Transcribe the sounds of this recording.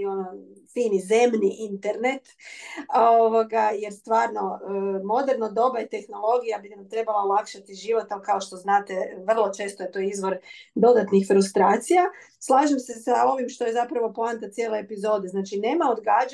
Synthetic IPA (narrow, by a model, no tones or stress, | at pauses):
onofiːnize̞mniʔint̪eɾne̞t̪ | oʋoɡaje̞ɾst̪ʋaːɾno̞mo̞d̪eɾnod̪o̞bajet̪e̞xno̞lˠo̞ɡijabinamt̪ɾe̞balˠaolˠakʃat̪iʒiʋo̞t̪amkao̞ʃt̪o̞znaːt̪e̞ʋr̩lˠo̞t͡ʃe̞ːst̪oet̪o̞izʋo̞ɾd̪o̞d̪at̪nixfɾust̪ɾaːt̪sija | slˠaːʒemse̞sao̞ʋimʃt̪o̞je̞zapɾaʋo̞plˠant̪at̪sjeleepizo̞ːd̪e̞znaːt͡ʃine̞ːmao̞d̪ɡaːd͡ʒ